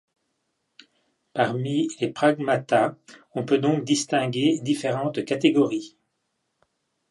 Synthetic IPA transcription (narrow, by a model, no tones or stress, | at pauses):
paʁmilepχaɡmat̪aɔ̃pød̪ɔ̃k̚d̪ist̪ɛ̃ɡʲed̪ifeʁɑ̃t̪kat̪eɡɔʁi